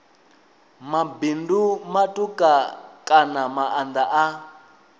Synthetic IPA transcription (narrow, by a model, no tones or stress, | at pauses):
mabindumatʼukʼakʼanamaʔand̪aʔa